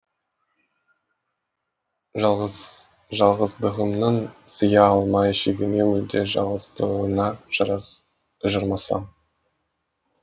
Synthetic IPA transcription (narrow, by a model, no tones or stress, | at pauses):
ʒ | ʒɑlˠʁəzd̪əʁəmnəɴsəjɑɑlˠmɑjʃeɡʲɪne̞mʏld̪e̞ʒɑʁəzd̪əənɑʒ | ʒəɾmɑsɑ̰m